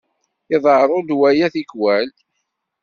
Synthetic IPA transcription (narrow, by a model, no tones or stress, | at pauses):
ɪðˤəɾˤod̪wæjæθikwæl